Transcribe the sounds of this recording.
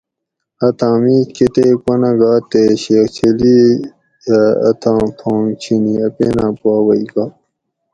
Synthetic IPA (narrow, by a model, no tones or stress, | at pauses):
ɐt̪ʰãːmiːket̪ekɐnɐɡaːt̪ːeɕeːxt͡ɕʰeli | jaɐ̰t̪ʰãːpʰõːŋt͡ɕʰiniɐpeːnãːpwaːwɐijka